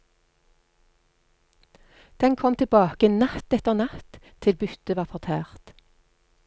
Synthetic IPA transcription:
d̪̥ɛnkʰɔmt̪ʰɪlbɑːkənɑt̪ɛt̪əʁnɑt̪ʰ | ɪlbʏt̪əʋɑːʁfɔʁt̪ʰæːʁt̪

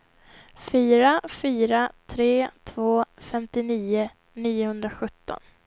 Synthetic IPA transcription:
fyːɾafyːɾat̪ʰɾeːt̪ʰvoːfɛmt̪ɪniːʊ | niːʊhɵnd̪ɾaɧɵt̪ːɔ̰n

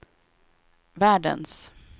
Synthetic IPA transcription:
væːɖə̰ns

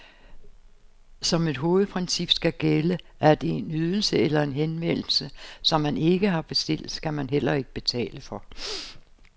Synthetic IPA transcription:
sɒ̽me̝d̥ɦo̝ːð̞̩ˠpʰʁɛnsib̥sɡ̥æɡ̥elə | ʔæɐd̥e̝enyð̞ˠl̩səelɐe̝nɦenʋen̰l̩səsɒ̽mːæne̝ɡ̥əɦɑ̈b̥e̝sd̥e̝l̰d̥skæmænɦel̰ɐe̝ɡ̥əb̥e̝t͡sʰɛ̰ːləfɒ̽

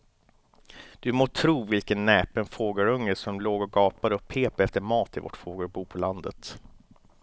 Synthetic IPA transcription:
d̪̥ɵmoːt̪ʰɾuːvɪlkənːɛːpənfoːɡəɾɵŋːəsɔmloːɡɔɡɑːpad̪əɔpʰeːpɛft̪əɾmɑːt̪ʰɪvɔ̰ʈfoːɡəɾbuːpʰɔland̪ə̰t̪

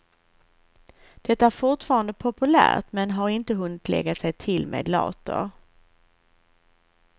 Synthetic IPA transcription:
d̪̥ɛt̪ːaæɾfʊʈfɑːɾand̪əpʰɔpɵlæ̰ːʈ̪mɛnɦaɾɪnt̪əɦɵnːɪt̪lʔɛ̰ɡːasɛjt̪ʰɪlmʔḛːd̪lɑ̰ːt̪ʊ̰ɾ

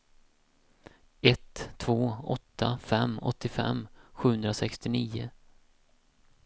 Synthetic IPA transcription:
ɛt̪ʰːvoːɔ̰t̪ʰːafɛmːɔ̰t̪ʰːɪfɛ̰mːɧʉ̟ːhɵnd̪ɾasɛkst̪ɪniːʊ̰

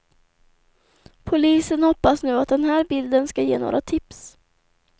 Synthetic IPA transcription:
pʰʊliːsənhɔpːasnʉ̟ːat̪̚d̪ɛnɦæːɾbɪld̪ənskajḛːno̰ːɾʔat̪ʰɪps

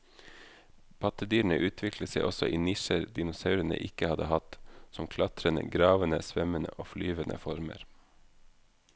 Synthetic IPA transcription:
pʰɑt̪əd̪yːɳ̩əʔʉːt̪ʰʋɪkʰləseɪʔɔsɔʔiːnɪʃəɾd̪ɪnʊsɑʉɾənə̰ʔɪkəhɑd̪əhɑt̪sɔmkʰlɑt̪ɾənə̰ɡɾɑːʋənəsʋœmənə̰ʔoːflyːʋənʔə̰fɔɾmə̰ɾ

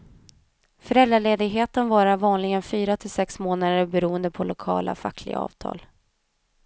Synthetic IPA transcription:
fœɾɛld̪ɾaɭeːd̪ɪɡɦeːt̪ənvɑːɾavɑːnlɪɡənfyːɾat̪ʰɪlsɛksmoːnad̪əɾbɛɾuːənd̪əpʰɔlʊkʰɑ̰ːla̰fa̰kʰːlɪ̰ɡa̰ɑ̰ːvt̪ʰɑ̰ːl

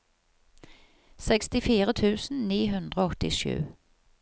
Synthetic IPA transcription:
sɛkst̪ɪfiːɾət̪ʰʉ̟ːsn̩niːɦɵnd̪ʁəɔt̪ːɪʃʉ̟̰ː

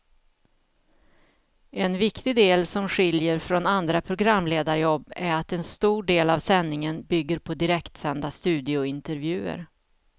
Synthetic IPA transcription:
ʔɛnvɪkt̪ɪd̪eːlsɔmɧɪljəɾfɾɔnand̪ɾapʰɾʊɡɾamːleːd̪aɾjɔbːæɾat̪ɛnst̪uːɖeːlavsɛnːɪŋənbʏɡːəɾpʰɔd̪ɪɾɛkt̪sɛnd̪ast̪ʉ̟ːd̪ɪʊɪnt̪əɾvjʉ̟ːə̰ɾ

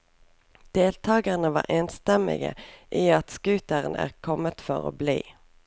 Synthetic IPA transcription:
d̪̥eːlt̪ʰɑːɡəʁnəʋɑ̰ːʔeːnst̪ɛmɪ̰ɡə̰ʔiːɑt̪skʉːt̪əʁənæ̰ːʁkʰɔmət̪fɔʁo̰ːblḭː

